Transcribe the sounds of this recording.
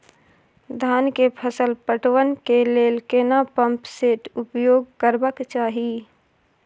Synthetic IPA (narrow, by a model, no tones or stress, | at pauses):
d̪ʱaːnkepʰəsəlpəʈʋənkeleːlkeːnapə̃mpseːʈʊpjoːɡ̚kəɾbəkt͡ʃaːɦi